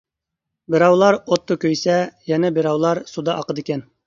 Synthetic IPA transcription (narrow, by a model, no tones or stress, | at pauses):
bɪ̆ɾɑwlˠɑɾot̪ːokʲɵjsɛjɛnɛbɪɾɑwlˠɑɾsud̪ɑʔɑqəd̪ikʲɛn